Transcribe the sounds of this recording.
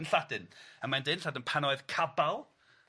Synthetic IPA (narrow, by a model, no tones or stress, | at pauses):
nɬadɪnəmandeːnɬadɪnpʰanɔɨðkʰabalˠ